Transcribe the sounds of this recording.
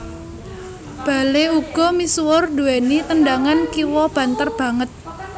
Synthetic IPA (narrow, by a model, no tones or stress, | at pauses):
b̥a̤leuɡ̥ɔ̤miswʊrd̪uenit̪əndaŋankiwɔb̥a̤nt̪ərb̥ä̤ŋət̪̚